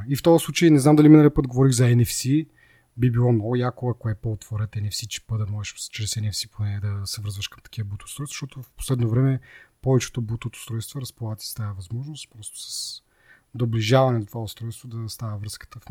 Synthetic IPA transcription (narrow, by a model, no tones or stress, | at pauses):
ift̪ɔəslˠut͡ʃəjnɛznamd̪ɐliminəlipɤd̪ɡovɔɾiɣzɐɛnɛfsi | bibilˠɔnɔjakoɐkoɛpot̪voɾɛt̪ɛnɛfsit͡ʃɛ̥pəd̪ɐmɔʒɛʃst͡ʃɛɾɛsɛnɛfsiponɛd̪ɐsɛvɾzvɐʃkɐmt̪ɐ̥k̟ivəbut̪oost̪ɾɔjso̥ʃt̪ɔt̪ofpo̥slɛd̪novɾɛmɛpɔvɛt͡ʃɛ̥t̪obut̪ot̪o̥st̪ɾɔjst̪voɾɐspolˠat̪ʲi̥st̪ajəvɐzmɔʒnost̪pɾɔst̪o̥sɐ̥s | d̪obliʒavɐnɛnɐt̪ovaʊst̪ɾɔjst̪vod̪ɐst̪avəvɾɤskə̥t̪əf